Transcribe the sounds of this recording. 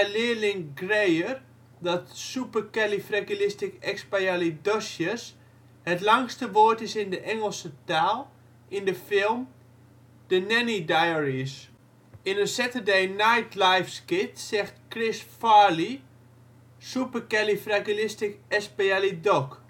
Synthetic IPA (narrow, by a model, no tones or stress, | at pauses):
ɛlɪəlɪŋɡrejər | dɔtsupəkɛlifrakilɪstɪkɛkspajalidɔsjəs | hətlaŋstəʋoətɪsɪndəʔɛŋəlˠsətaːlˠ | ɪndəfɪlˠm | d̥ənɛnidajəɹis | ɪnəsɛtədejnajtlajfskɪtsɛxtkrɪsfali | supəkɛlifrakilɪstɪkɛspajalidɔk